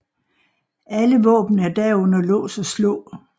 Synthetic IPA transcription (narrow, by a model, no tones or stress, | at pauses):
æləʋɔ̰̽ːb̥n̩æɐd̥æɐɔ̽n̰ɐlɔ̰̽ːsɒ̽slɔ̰̽ː